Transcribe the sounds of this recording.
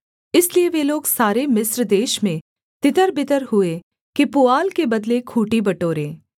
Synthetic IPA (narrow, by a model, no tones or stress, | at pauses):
ɪslieʋeloːɡsaːɾemɪsɾd̪eːʃmẽ | t̪ɪt̪əɾbɪt̪əɾɦʊe | kipʊaːlkebɐd̪lekʰuːʈibɐʈoːɾẽː